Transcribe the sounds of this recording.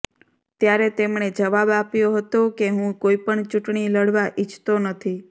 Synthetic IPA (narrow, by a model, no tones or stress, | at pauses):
t̪jaɾet̪emɳed͡ʒəʋabapjoɦət̪okeɦũkoipəɳt͡ʃuʈɳiləɽʋaʔit͡ʃʰt̪onət̪ʰi